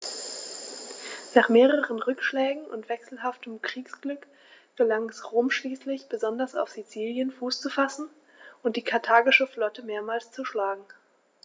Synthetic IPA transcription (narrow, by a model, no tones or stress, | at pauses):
naːχmeːʁəʁənʁʏkʃlɛːɡŋ̩ʔʊ̰ntv̥ɛksl̩ɦaftʰəmkʁ̥iːksɡ̥lʏk | ɡ̥əlaŋɛsʁoːmʃliːslɪçb̥əzɔndɐsa̰ʊfz̥it͡siːljənfuːst͡sufasn̩ | ʔʊnt̚d̥iːkʰaɐtʰaːɡɪʃəflɔtəmeːɐmaːlst͡suʃlaːɡŋ̩